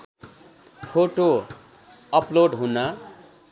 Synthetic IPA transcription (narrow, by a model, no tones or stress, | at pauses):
pʰoʈo | ʌploɖɦuna